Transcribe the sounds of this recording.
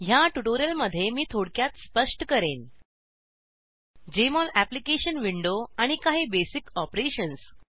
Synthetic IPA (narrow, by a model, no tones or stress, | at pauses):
ɦjaʈuʈoɾijəlməd̪ʱːjemiːt̪ʰoɽkjat̪spəʂʈkəɾen | d͡ʑemɔlæplikeɕənʋiɳɖoaɽ̃ikaɦiːbesikɔpɾeɕəns